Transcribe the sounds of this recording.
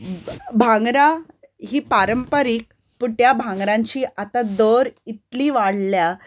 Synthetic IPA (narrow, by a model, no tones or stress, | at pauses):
bʱãŋɡɾa | ɦiːpaɾəmpəɾiːk̚ | puʈjabʱãŋɡɾãɲt͡ɕiːʔat̪ad̪oɾit̪liːʋaɽ̤lja